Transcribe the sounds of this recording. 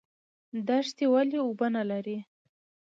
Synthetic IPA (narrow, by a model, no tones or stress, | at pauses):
d̪aʂt̪ewaliʊbənalaɾi